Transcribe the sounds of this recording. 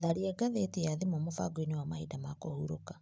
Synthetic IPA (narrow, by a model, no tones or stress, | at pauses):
ðaɾiɛɡaðetijaðemɔmofa̰ɡoinewamahidamakohuɾo̰ka